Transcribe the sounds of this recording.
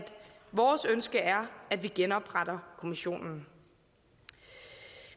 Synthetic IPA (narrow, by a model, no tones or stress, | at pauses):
d̥ʋɒːsønsɡ̥əæɐæd̥ʋiɡ̥enɒ̽b̥ʁad̥ɐkʰo̝miɕo̝̰ːnn̩